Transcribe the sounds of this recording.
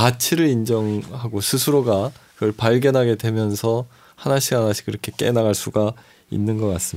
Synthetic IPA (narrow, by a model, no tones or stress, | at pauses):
at͡ɕʰiɾɯɾind͡ʑʌŋhaɡosʰɯsʰɯɾoɡakɯʌɭpaɭɡjʌnɦaɡe̞dwe̞mjʌnsʰʌ | hanaɕʰiɡanaɕʰi̥k͈iɾʌkʰe̞k͈e̞̰naɡaɭs͈uɡa | ḭnːɯnɡʌk͈as͈ɯmi